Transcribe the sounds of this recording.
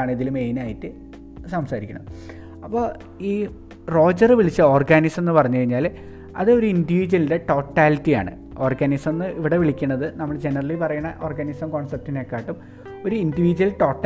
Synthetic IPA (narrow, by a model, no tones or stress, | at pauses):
aːɳɨiðilumejnaːjitːɨ | sɐmsaːɾikʲːuɳɐ̰m | ɐpːo̞ː | iː | ro̞ːd͡ʑɐrɨʋiɭit͡ɕːɨo̞ːrɡaːniksmenːɨpɐrɐɲːukɐɻiɲːaːl | ɐ̰ðɨo̞ɾuindiʋiːd͡ʑɐlide̞ʈo̞ːʈːaːlitːija̰ːɳɨ̰ | o̞ːrɡanismenːɨiʋiɽe̞ʋiɭikʲːuɳːɐðɨnɐmːɐɭd͡ʑenɐrɐlipɐrɐjuɳɐʔo̞ːrɡanisɐmkoːɳsɐp̚tinekːaːʈːum | o̞ɾuindiʋiːd͡ʑɐlʈo̞ːʈː